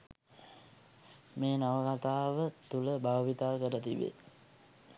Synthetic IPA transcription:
meːnaʋəkat̪aːʋət̪uləbʱaʋʋit̪aːkəɾət̪iʋḛ

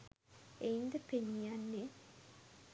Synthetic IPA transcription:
eind̪əpeɲijanːe

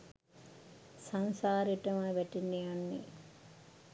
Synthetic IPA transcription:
saŋsaːɾʈəmaʋɛʈinːejanːḛ

